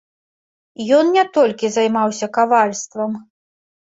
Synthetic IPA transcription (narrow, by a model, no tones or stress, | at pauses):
jɔnnʲɛt̪ɔlʲkʲizajmawsʲɐkavalʲst̪vɐm